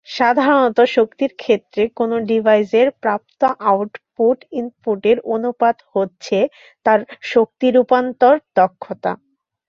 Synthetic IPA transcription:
ʃad̪ʱaɾonɔt̪oʃokt̪iɾkʰet̪ːɾekonoɖibʱajzeɾpɾap̚t̪oʔawʈpuʈinpuʈeɾonupad̪hotːɕʰe | t̪aɾʃok̚t̪iɾupant̪oɾt̪ɔkʰːot̪a̰

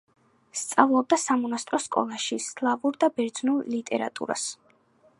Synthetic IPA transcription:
st̪sʼavlˠɔb̚d̪asamɔnast̪ʼɾɔskʼɔ̰lˠaʃislˠavuɾd̪abɛɾd̪znulˠlit̪ʼɛ̰ɾa̰t̪ʼṵɾa̰s

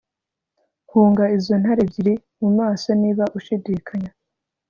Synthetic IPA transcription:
huːŋɡaizo̞n̥haɾebɟiɾe | mumaːsoniːβaʔuʃidikʰaɲa

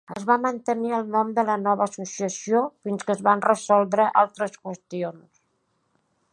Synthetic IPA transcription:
əzβamənt̪əniəlˠnɔmd̪ələnɔβəːsusiəsiofinskəzβanrəzɔlˠd̪ɾəʔalˠt̪ɾəskwəst̪ions

